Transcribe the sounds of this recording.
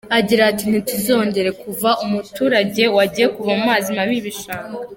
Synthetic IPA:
aɟiɾaːtin̥ituzo̞ːɲɟe̞ɾe̞kuvaʔumutuːɾaɟe̞waɟiːje̞kuvamumaːzimaβiβiʃaːka

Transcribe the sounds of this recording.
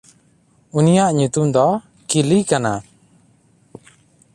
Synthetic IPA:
unijaʔɲut̪umd̪ɔ | kilikana

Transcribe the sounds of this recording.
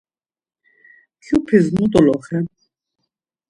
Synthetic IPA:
kʰupʰiznut̪ʼɔlɔχɛ

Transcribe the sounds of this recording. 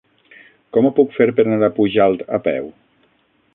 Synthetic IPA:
kɔmopukfeɾpeɾanaɾapuʒalˠt̪apɛ̰w

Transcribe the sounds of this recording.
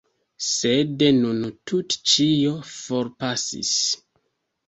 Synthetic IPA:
sedenuntʰutt͡ʃiofo̞ɾpasḭs

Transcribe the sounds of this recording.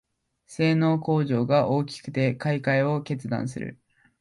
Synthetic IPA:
se̞ːno̞ːko̞ːʑo̞ːɡaʔo̞ːkʲi̥kɯ̟̥t̪e̞kaikaio̞ke̞t͡sɨd̪ã̰ɰ̃sɨ̰ɾɯ̟̰

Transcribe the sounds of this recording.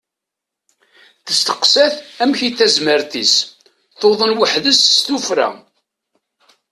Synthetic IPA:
θəst̪ə̥qsæθæmçiθæzməɾθis | θoðˤənwəħðəsst̪ufɾæ̰

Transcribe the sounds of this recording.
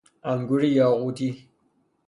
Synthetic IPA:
amɡʷʊrijaːʁʷudiː

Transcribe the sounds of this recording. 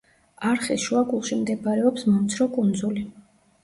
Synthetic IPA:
aɾχisʃuaɡʼulˠʃimd̪ɛbaɾɛɔpsmɔmt̪sʰɾɔkʼund̪zuli

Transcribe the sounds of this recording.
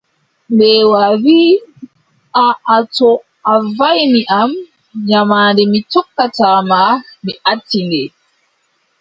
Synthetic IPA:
mbɛːwaviː | aʔatɔ | ʔavajmiʔam | ɲamaːndɛmitɔkːataːmamiʔatːindɛ

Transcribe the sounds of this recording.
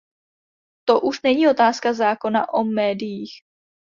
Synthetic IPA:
t̪o̞ʔuʃnɛɲiːo̞t̪aːskazaːko̞na̰ʔomɛːdɪjiːx

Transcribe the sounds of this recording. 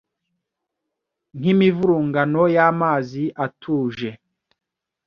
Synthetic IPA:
n̥imivuɾuːŋɡanojaːmaːziʔatʰuːʒe

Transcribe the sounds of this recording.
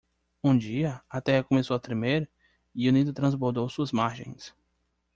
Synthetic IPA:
ũd͡ʒiɐat̪ɛhɐkõmesowɐt̪ɾemeɾ | iʊnid̪ʊt̪ɾɐ̃zboɾd̪owsuɐzmaɾʒḛ̃j̃s

